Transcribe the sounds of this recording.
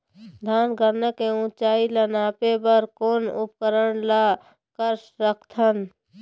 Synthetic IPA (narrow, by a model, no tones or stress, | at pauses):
d̪ʱaːnɡəɾnəkeũt͡ʃaːilənapebəɾkoːnṵp̚kəɾəɳla | kəɾsɾəkʰt̪ʰən